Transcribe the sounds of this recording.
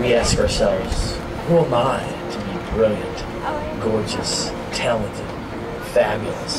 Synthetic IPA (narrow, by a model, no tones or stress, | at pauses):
wiæskə˞sɛlˠvz̥ | huə̃maɪ | ɾʰɨbibɹõʊnɨ̃d | ɡɔɹd͡ʒɨ̰s | tʰælˠə̃ntʰɨd̥̚ | fæbjl̩ˠḭz̥